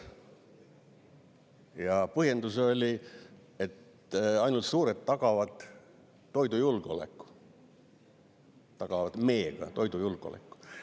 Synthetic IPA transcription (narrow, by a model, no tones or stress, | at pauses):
jɑpɤhje̞nd̪uso̞lʲi | et̪ | ɑjnult̪suːɾet̪ːɑɡ̥ɑvɑd̪̥ː | o̞jd̪ujulɡ̥o̰lḛkːˑu̥ | t̪ːɑɡ̥ɑvɑd̪̥me̞ːɡ̥ɑ̰t̪o̞jd̪ujulɡ̥o̰lḛkːˑu̥